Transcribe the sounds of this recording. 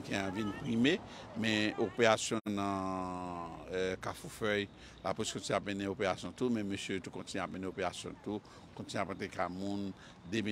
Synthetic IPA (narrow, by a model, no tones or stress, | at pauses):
kɛ̃ãvinpʁimemɛ̃opeʁasjɔ̃nɐ̃ | kafufœj | la̰pɛskõtiapmẽnẽopeʁasjɔ̃tumɛ̃møsjøtukɔ̃tinap̚mẽnẽopeʁasjɔ̰̃t̪u | kõt̪iapãt̪ekamũn | d̪eme